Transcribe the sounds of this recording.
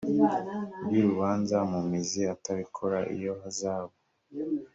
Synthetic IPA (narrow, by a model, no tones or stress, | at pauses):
bɡiɾuβaːnzamumiziataβikʰoɾaʔḭjo̞hazaːβo